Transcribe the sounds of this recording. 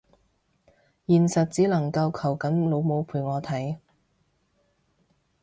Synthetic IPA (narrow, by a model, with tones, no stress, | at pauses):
jiː˨nsɐ˨t̚t͡siː˨˥lɐ˨˩ŋkɐ˧wkʰɐ˨˩wkɐ˨˥nlo˨˧wmo˨˧wpʰuː˨˩jŋɔː˨˧t̪ʰɐ˨˥j